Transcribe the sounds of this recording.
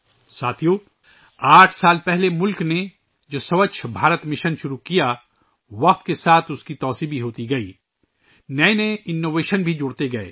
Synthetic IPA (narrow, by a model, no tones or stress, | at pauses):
saːt̪ʰijoː | aːʈʰsaːlpɛɦlemʊlkne | d͡ʒoːsɐʋəʃʰbʱaːɾət̪mɪʃənʃʊɾukija | ʋɐqt̪kesaːt̪ʰʊskit̪ɔːsibʱiɦoːt̪iɡɐiː | nɛeneɪnːoːʋeːʃənbʱid͡ʒʊɽt̪eɡɐḛː